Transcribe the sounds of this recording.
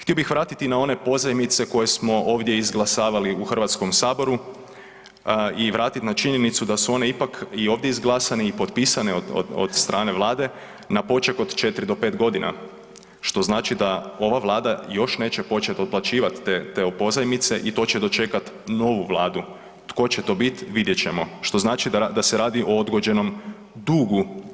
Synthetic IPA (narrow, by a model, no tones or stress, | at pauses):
t̪io̞bixʋɾaːt̪it̪inao̞ne̞po̞zajmit̪se̞ko̞je̞smo̞ʔo̞ːʋd̪je̞izɡlˠasaːʋaliuxr̩ʋat̪sko̞msaːbo̞ɾu | iʋɾaːt̪it̪nat͡ʃiɲenit̪sud̪asuo̞neipakio̞ːʋd̪jeizɡlˠasaniːpo̞t̪piːsaneoo̰o̰d̪st̪ɾʔaːne̞ʋlˠaːd̪e̞ | napo̞t͡ʃeko̞d̪t͡ʃe̞t̪ɾid̪o̞pe̞ːt̪ɡo̞d̪ina̰ | ʃt̪o̞znaːt͡ʃid̪ao̞ʋaʋlˠaːd̪ajo̞ʃne̞ːt͡ɕe̞po̞t͡ʃet̪o̞d̪̚plˠat͡ʃiːʋat̪ːet̪eopo̞zajmit̪se̞ʔit̪o̞ːt͡ɕe̞d̪ot͡ʃe̞kat̪ | no̞ʋuʋlˠaːd̪u | t̪ko̞t͡ɕet̪o̞ːbit̪ʋid̪jet͡ɕe̞mo̞ʃt̪o̞znaːt͡ʃid̪ad̪aseɾaːd̪iʔo̞od̪ɡo̞d͡ʑe̞no̞m | d̪uːɡu